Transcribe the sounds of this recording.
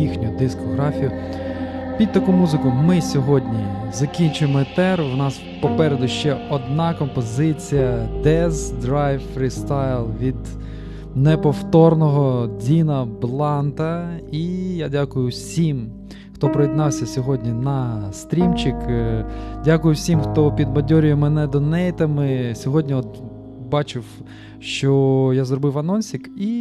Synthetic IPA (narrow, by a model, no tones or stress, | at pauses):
ixnʲʊd̪ɪskɔɦɾɑfʲijʊ | pʲid̪̚ʲt̪ɐkumuzɪkʊmɪsʲɔɦɔdʲnʲizɐkʲinʲt͡ʃʊjemɔt̪ɛrʋnɑs | pɔpɛɾed̪ʊʃt͡ʃɛɔd̪nɑkɔmpɔzɪt͡sʲijɐd̪ɛzd̪ɾajffɾʲist̪ɑjlˠʋʲid̪ | nepɔwt̪ɔrnɔɦɔdʲinɐblˠɑnt̪ɐijadʲakʊjʊsʲim | xt̪ɔpɾɔjid̪nɑwsʲɐsʲɔɦɔdʲnʲinɐst̪ɾʲimt͡ʃɪk | dʲakʊjʊwsʲimxt̪ɔpʲid̪̚mɐdʲɔɾʲɪjʊmɛnɛd̪ɔnɛjt̪ɐmɪsʲɔɦɔdʲnʲiɔt̪ | bɑt͡ʃɪw | ʃt͡ʃɔjazɾɔbɪwɐnɔnʲsʲiki